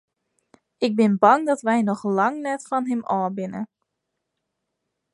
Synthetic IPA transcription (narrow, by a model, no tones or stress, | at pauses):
ʔɪk̚bɪnbɑŋdɔtʋɛjnɔxlɑŋnɛtfɔnɦɪmɔːbɪnə̰